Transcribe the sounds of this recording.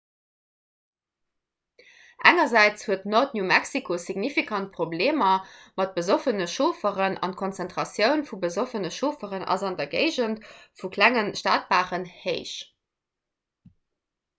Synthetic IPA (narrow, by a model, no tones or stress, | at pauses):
ʔæŋɐzæɪt͡shuətnotnjuːmæksikʰosiɡnifikʰɑnt̚pʁ̥obleːmɐmɑt̚b̥əzofənəʃoːfəʁənʔɑ̰nt̚kʰont͡sæntʁ̥ɑsjəʊnfubəzofənəʃoːfəʁənʔɑ̰zɑndɐɡeɪʑəntfukʰlæŋənʃtaːt̚b̥aːʁənheɪʃ